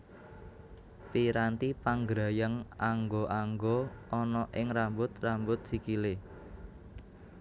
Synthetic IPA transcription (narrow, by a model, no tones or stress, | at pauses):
piɾant̪ipaŋɡɾajəŋaŋɡoʔaŋɡoʔɔnɔʔɪŋrambʊt̪rambʊt̪̚sikile